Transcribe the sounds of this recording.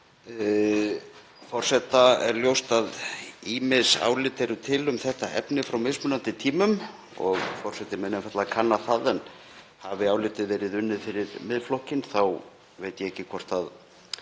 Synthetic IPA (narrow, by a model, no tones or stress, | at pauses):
fɔr̥sɛt̪aɛɾljowst̪aðiːmɪðsa̰ːwlɪːt̪ɛɾʏt̪ʰɪlʏmθɛht̪aʔɛ̰pnɪfɾawmejsmʏnant̪ɪt̪ʰiːmʏm | ɔɣfɔr̥sɛt̪ɪmɛnːɛfat̪lakʰanːaθaðɛn | havɪaːwlɪːt̪ɪvɛːɾɪðʏnːɪðfɪɾɪɾmɪðflɔhcɪnθaw | vejt̪jɛɛcːɪkʰvɔr̥t̪að